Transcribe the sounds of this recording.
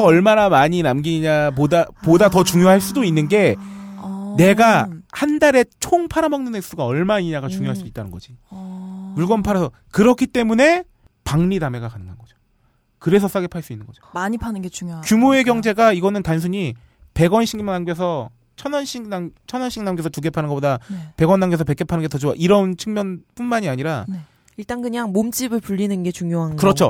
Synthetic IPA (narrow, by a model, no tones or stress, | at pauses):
ʌʌɭmanamaɲinamɡiɲapodapodatʌt͡ɕuŋjoɦaɭs͈udoinːɯnɡe̞ | ne̞ɡahandaɾe̞t͡ɕʰoŋpʰaɾamʌŋnɯneks͈uɡaʌɭmaɲiɲaɡat͡ɕuŋjoɦaɭs͈uit̚t͈anɯnɡʌd͡ʑi | muɭɡʌmpʰaɾasʰʌ | kɯɾʌkʰit͈e̞mune̞ | paŋɲidame̞ɡakanɯŋɡanɡʌd͡ʑo̥ | kɯɾe̞sʰʌs͈aɡepʰaɭs͈uinːɯnɡʌd͡ʑo̥maɲipʰanɯnɡet͡ɕuŋjoakjumoe̞ɡjʌŋd͡ʑe̞ɡaiɡʌnɯntansʰuɲi | pe̞ɡʌnɕʰiŋnaŋɡes̬ʰʌ | t͡ɕʰʌnʌnɕʰiŋnaŋt͡ɕʰʌnʌnɕʰiŋnamɡesʰʌtuɡe̞pʰanɯnɡʌpodape̞ɡʌnːaŋɡesʰʌpe̞k͈e̞pʰanɯnɡetʰʌd͡ʑuwaʔiɾʌnt͡ɕʰɯŋmjʌnp͈unmaɲiaɲiɾan | iɭt͈aŋkɯɲaŋmomt͡ɕ͈ibɯɭpuʎːinɯnɡe̞t͡ɕuŋjoɦankɯɾʌt͡ɕʰo